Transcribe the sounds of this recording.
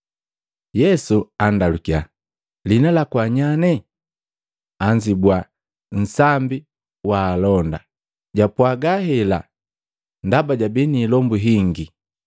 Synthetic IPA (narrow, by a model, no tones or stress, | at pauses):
jɛsuandalukia | linalakwaɲanɛ | aɲd͡ʒibwa | n̩sambi | waːlɔnda̰ | ɟapwaɡahɛla̰ | ndabaɟabiniːlɔmbuɦiŋɡi